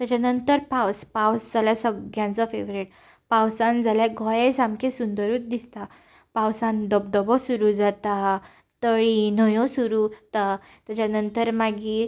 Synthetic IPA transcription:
t̪jat͡ɕanənt̪əɾpawspawsd͡zaljasəɡjãnt͡sɔfeʋɾeʈ | pawsãnd͡zaljaɡʱɔjesamkẽsund̪əɾuːt̪̚d̪ist̪a | pawsãnd̪əbd̪əbɔsuɾud͡zat̪a | t̪əɭinəjɔ̃suɾut̪a | t̪jat͡ɕanənt̪əɾmaɡiː

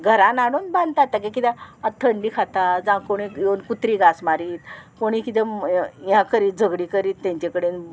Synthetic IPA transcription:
ɡʱəɾãnaɽ̃uːnbãnd̪t̪at̪ːakekit̪aət̪ʰəɳɖiːkʰat̪ad͡zãkoɽ̃ijonkut̪ɾiɡasmaɾiːt̪koɽ̃ikit̪ẽjãkəɾiːd͡zəɡɽikəɾiːt̪ːãɲt͡ɕakəɽen

